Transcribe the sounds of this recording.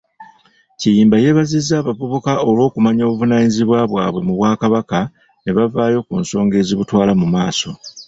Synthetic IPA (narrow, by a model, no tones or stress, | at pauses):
cijiːmbaje̞βazizːaːβavuβukao̞lwo̞ːkumaɲo̞ːβuvunaːɲiziβwaβwa̰ːβwe̞muβwaːkaβaka | neβavaːjo̞kuːnso̞ːŋɡe̞ːziβutwaːlamumaːso̞